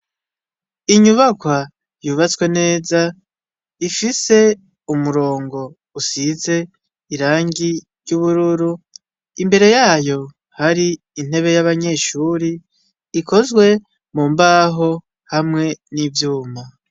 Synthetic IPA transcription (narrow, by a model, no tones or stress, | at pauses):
iɲuβakwa | juβat͡swe̞ne̞ːza | ifise̞ | umuɾo̞ːŋɡo̞ | usize̞ | iɾaːŋɡi | ɾjuβuɾuɾu | imbe̞ɾe̞jaːjo̞ | haɾiː | n̥he̞βe̞jaβaɲe̞ʃuɾiː | kʰo̞zɡwe̞ | mumbaːɦo̞ | hamŋe̞nivjuːma